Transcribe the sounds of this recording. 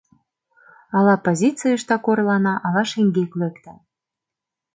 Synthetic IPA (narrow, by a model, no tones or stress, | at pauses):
ɑlɑpozʲit͡sɨjəʃt̪ɑkorlɑnɑʔɑlɑʃeŋɡʲeklekt̪ɑ